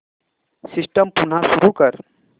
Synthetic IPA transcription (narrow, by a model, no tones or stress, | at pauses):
sɪsʈəmpun̤asʊɾukəɾ